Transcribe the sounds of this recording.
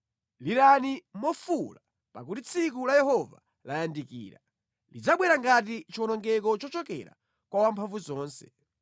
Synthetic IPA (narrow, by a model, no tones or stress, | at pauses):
liɾanimɔfula | pa̰kutit͡sʰik̬ulajɛhɔva | lajandikḭːɾa | lid͡zaɓwɛɾaŋɡatit͡ʃiɔnɔŋɡɛkɔt͡ʃɔt͡ʃɔkɛ̰ɾa̰ | kwawampʰaɱvuzɔːnsɛ